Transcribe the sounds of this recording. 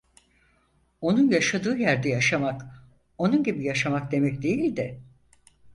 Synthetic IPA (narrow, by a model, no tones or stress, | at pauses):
o̞nunjaʃad̪ɯːjæɾd̪ɛjaʃamak | o̞nunɟibijaʃamak̚d̪e̞mɛcd̪e̞jilʲd̪ɪ